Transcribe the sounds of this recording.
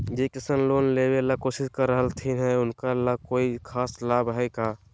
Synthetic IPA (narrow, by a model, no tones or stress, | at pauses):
d͡ʒekɪsənloːnleːbelakoːsɪskəɾːəɦəlt̪ʰiɦɛʊnkalakoːikʰaːslaːbɦɛkaː